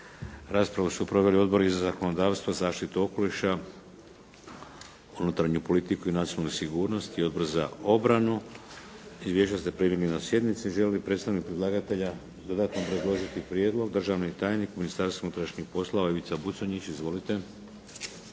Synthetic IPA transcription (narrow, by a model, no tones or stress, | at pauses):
ɾaːspɾaʋusupɾo̞ʋe̞lio̞d̪bo̞ɾizazako̞no̞d̪aːʋst̪vʋazaːʃt̪it̪uo̞ko̞liʃa | unut̪ɾaɲupo̞lit̪ikuinat̪ionalnusiɡuːɾno̞st̪io̞d̪bo̞ɾza̰o̞bɾanu | izʋje̞ʃast̪epɾimjiɡʲinosje̞d̪nit̪siʒellipɾet̪st̪aʋnit̪̚pɾid̪lˠaːɡat̪e̞ʎa | d̪od̪at̪nopɾed̪lˠo̞ʒit̪ipɾjed̪lˠo̞ɡ̚d̪r̩ʒaʋnit̪aːjnikuminist̪aɾseunut̪ɾaʃɲixpo̞slˠoaiʋit̪sabut̪soɲit͡ɕizʋo̞lit̪e̞